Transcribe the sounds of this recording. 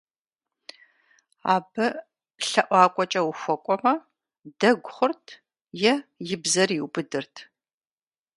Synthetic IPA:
a̰ːbɐ | ɬɐʔʷɑːkʷʼɔt͡ʃʼɐwʊxʷɔkʷʼɔmɐ | dɐɡʷʊχʷʊrtʰ | jɛjɪbzɐriwbɨdɨrtʰ

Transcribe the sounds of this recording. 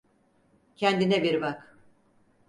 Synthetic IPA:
cʰɛnd̪inɛbiɾbak

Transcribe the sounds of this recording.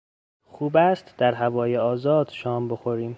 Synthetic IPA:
xuːbæːst̪d̪̥æɾɦævɒːjeɒːzɒːd̪̥ʃɒːmbo̞xoɾiːm

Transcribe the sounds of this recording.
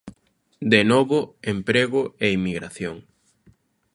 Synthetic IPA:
d̪enoβʊempɾeɣʊeimiɣɾa̰θjoŋ

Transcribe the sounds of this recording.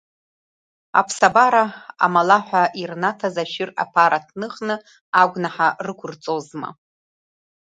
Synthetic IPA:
a̰pʰsabaɾaa̰malaħʷᶣaʔirnatʰazaʃɪra̰pʰaɾatʰnɨχnɨ | aɡʷnaħarɨkʷʰʊrt͡sʼozma̰

